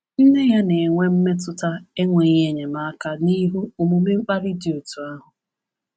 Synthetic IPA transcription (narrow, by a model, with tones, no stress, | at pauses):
n̩˦ne˦ja˦ne˨ŋʷe˦m̩˦me˦tʊ˦ta˦e˦ŋʷe˨˦ɲ˦e˦ɲe˨ma˦ka˦˨ni˦ɦu˦o˨mu˨mi˦ŋ͡m̩˦k͡pa˦ɾɪ˦dɪ˨o˨tu˨a˦ɦʊ˨